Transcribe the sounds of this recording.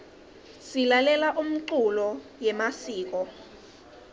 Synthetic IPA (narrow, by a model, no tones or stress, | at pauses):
silalɛlaʔum̩ǀulɔjɛmasiːk̬ɔ